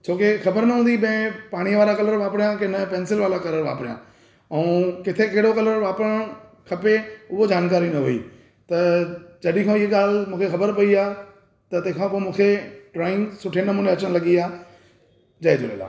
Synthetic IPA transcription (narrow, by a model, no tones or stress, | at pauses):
t͡ɕʰoːkexɐbəɾnɐɦũːnd̪iɓɐ̃ɪ̃paːɽ̃iʋaːɾakɐləɾʋaːpɽijãkɪnəpɛ̃ːnsɪlʋaːlakɐləɾʋa̰ːpɾɪjã̰ | ɛũkɪt̪ʰekɐɦɪɽokɐləɾʋaːpəɾəɽ̃ | kʰɐpeʊɦod͡ʑaːnk̬aːɾinɐɦʊḭː | t̪ɐd͡ʑɐɗĩkʰõɪɦeɠaːlmũːkʰexɐbəɾpɐiaː | t̪ɐt̪ɐ̃ɦkʰãːpoːmũːkʰeʈɾaːɪ̃ŋɡsʊʈʰenɐmuːnẽɐt͡ɕəɽ̃lɐɠiaː | d͡ʑɐed͡ʑʊ̰lḛːla̰ː